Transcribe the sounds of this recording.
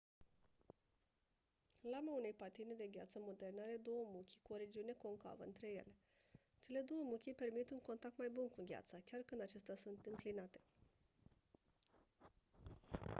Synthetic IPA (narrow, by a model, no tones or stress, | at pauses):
lamaune̞jpat̪ined̪e̞ɡʲa̰t̪səmo̞d̪e̞rneaɾe̞d̪o̞wəmukʲi̥kuoɾe̞d͡ʒiune̞ko̞ŋka̰və̰ɨ̰nt̪ɾe̞je̞̰le̞ | t͡ʃe̞le̞d̪o̞wəmukʲipe̞rmit̪uŋko̞nt̪ak̚t̪majbunkuɡʲa̰t̪sakʲarkɨnd̪at͡ʃe̞st̪easunt̪ɨŋklinat̪e̞